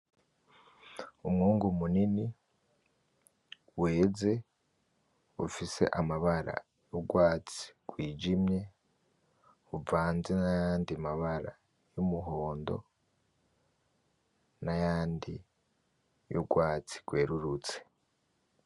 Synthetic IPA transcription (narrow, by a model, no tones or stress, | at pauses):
umŋuːŋɡumunini | weːze̞ | ufise̞̰ʔamaβaɾa̰ | juɡwaːt͡si̥ɡ̥wiːd͡ʒimje̞ | uvaːnzenajaːndimaβaɾa | jumuɦo̞ːndo̞̰ | najaːndi | juɡwaːt͡si̥ɡ̥we̞ːɾuɾut͡se̥